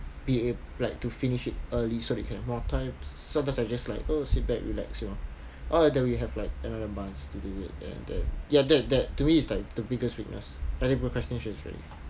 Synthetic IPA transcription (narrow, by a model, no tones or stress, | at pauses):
b̥ie | laɪk̚tufĩniʃit̚əlisodɛt̚kʰɛvmɔtʰãɪ̃m | sãmtãmsaɪd͡ʒaslaɪkosit̚bɛkɹḭlɛ̰ksjunɔ | ʔɔdɛ̃nwiɦɛvlaɪk̚ɛnadəmãnstuduḭt̚ɛ̰̃ndɛ̰̃njadɛt̚dɛt̚tumiːtslaɪk̚d̥əbiɡəstwik̚nə̰saɪtĩŋpəkʰɹɛstə̃nʃə̃nsɹɛ̰lḭ